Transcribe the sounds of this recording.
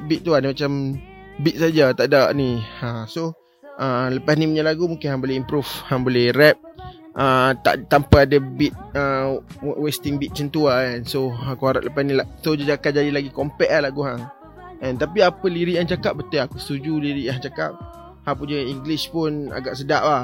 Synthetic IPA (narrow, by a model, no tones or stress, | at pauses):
bit̪̚t̪uanimat͡ʃambit̪̚sad͡ʒat̪aʔdaʔniəmso | ʔələpasnipuɲalaɡumuŋkɪnhaŋboleimpɾufhaŋbolehɾɛp̚ | ʔət̪a̰ʔt̪ampaadəbit̪̚ə | west̪ɪŋbit̪̚t͡ʃənt̪uaɛnsoakuhaɾa̰ʔləpasnilaʔsod͡ʒad͡ʒakaʔ̚d͡ʒadilaɡikompɛʔahlaɡuɦaŋ | ɛnt̪apiapəliɾiʔjaŋt͡ʃakap̚bət̪uakust̪ud͡ʒuliɾiʔjãɦat͡ʃakap̚ | hãpuɲəiŋɡlispʊna̰ɡa̰ʔsədaʔla